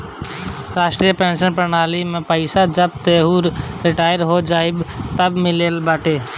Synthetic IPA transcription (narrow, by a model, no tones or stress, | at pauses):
ɾaːsʈɾijəpẽːnsənpɾənaːlimẽpəɪsad͡ʒəb̚t̪eːɦuːɾɾɪʈaːjəɾɦod͡ʒaːɪbt̪əbmɪleːlbaːʈʰeː